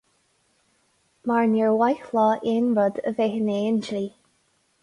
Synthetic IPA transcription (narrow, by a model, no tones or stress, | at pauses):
maɹnɛɹwajxlɔːʔenɹəd̪ə̰vehəneːnd͡ʒliː